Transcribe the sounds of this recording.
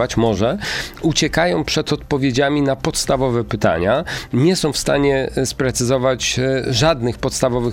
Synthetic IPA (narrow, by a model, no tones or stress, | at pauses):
at͡ɕmɔʐɛut͡ɕɛkajɔ̃w̃pʂɛt̪ɔt̪̚pɔvʲjed͡ʑamʲinapɔt̪st̪avɔvɛpɘt̪a̰ɲaɲɛsɔ̃w̃fst̪aɲɛspɾɛt̪sɘzɔvat͡ɕʐad̪nɘxpɔt̪st̪avɔvɘx